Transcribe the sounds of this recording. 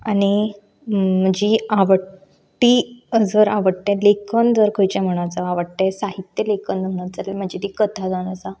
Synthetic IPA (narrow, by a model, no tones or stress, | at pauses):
ani | m̤əd͡ʑiaʋə | ʈiəd͡zəɾaʋəɽt̪ẽlekʰənd͡zəɾkʰəjt͡ɕam̤əɽ̃at͡saaʋəɽt̪esaɦit̪jəlekʰənd̪əəɽat͡salelm̤əd͡ʑit̪ikət̪ʰad͡zaɽ̃at͡sa